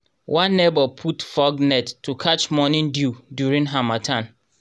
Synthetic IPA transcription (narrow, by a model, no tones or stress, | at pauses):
wʔãnːebɔpʰutfɔɡnɛtʰːukʰat͡ʃmɔnĩndudjuɹĩŋɦamatʰãn